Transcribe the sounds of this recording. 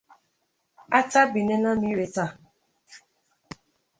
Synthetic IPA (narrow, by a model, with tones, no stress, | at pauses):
a˦ta˦bi˨ne˦nã˦ni˦ɾe˨ta˦˨